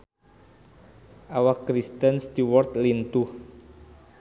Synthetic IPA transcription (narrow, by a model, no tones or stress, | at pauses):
ʔawakːɾist̪ənsd̪iwɔrt̪lint̪uh